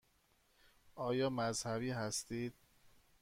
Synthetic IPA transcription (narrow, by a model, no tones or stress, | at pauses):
ʔɒːjɒːmæzhæβiːɦæst̪iːd̪̥̚